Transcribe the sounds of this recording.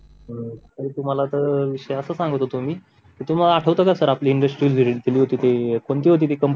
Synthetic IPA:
əəɾiːt̪um̤alat̪əɾʋiɕəjəsəːsãŋɡət̪ːot̪um̤iː | kiːt̪um̤alaaʈʰəʋt̪okaɾsəɾapliːɳɖəsʈɾiəlʱid̪ʱiliːɦot̪iːt̪ekoɳt̪iːɦot̪it̪ekəmp

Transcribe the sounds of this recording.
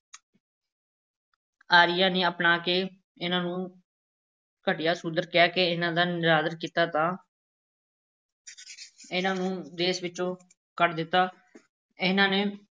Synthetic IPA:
aːɾɪjãːneːəpnaːkeː | ɪnãːnũː | kəʈɪjaːsʊnd̪əɾkɪjaːkeɪnãːd̪aːnɪɾaːd̪əɾkiːt̪aːt̪ãː | ɪnãːnũːd̪eːsʋɪt͡ʃːõː | kəʈd̪ɪt̪ːaː | ɪnãːneː

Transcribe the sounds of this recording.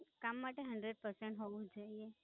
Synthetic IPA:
kamːaʈeɦə̃ɳɖɾeɖ̚pəɾsẽɳʈɦoʋũd͡ʒoie

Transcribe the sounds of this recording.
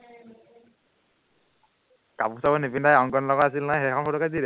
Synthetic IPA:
kapusabɔnepindajɔŋkɔnlɔɡɔas̬ilnajxɛkʰɔnfʰɔɾɔkadiɾɛ

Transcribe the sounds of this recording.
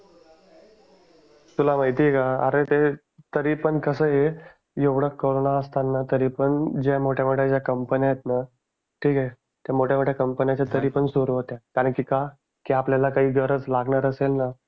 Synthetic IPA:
t̪ulamaɦjt̪iekaə̰ɾet̪e | t̪əɾiːpəɳkəsəɦe | jeʋɽəkːoɭonaəst̪anːat̪əɾiːpəɳd͡ʑamoʈʰjamoʈʰjad͡ʑjakəmpənijajet̪na | ʈʰiːke | t̪jamoʈʰjamoʈʰjakəmpənjat͡ɕat̪əɾiːpəɳsuɾuɦot̪jakaɾəɳkiːka | kiapljalakaɦiːɡəɾəd͡zlaɡɳaɾəselna

